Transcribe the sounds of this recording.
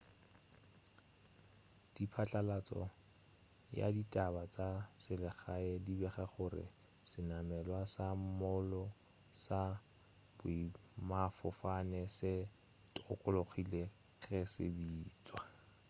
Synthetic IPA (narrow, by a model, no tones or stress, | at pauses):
d̥ipʰat͡ɬʼalat͡sʼɔ̰ | ja̰ditʼabat͡sʼasɪlɪχaɛdibɛχaχʊrɪ̰ | sɪnamɛlwasam̩mɔlɔ | sa | b̥ʊimafɔfanɛsɪ | tʊkʼʊloχile | ɣɛsɪ̰biːt͡sʼwa